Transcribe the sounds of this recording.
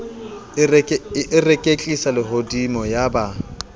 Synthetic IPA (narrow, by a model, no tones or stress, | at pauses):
ɪrekʼet͡ɬʼisalɪɦodimɔjaba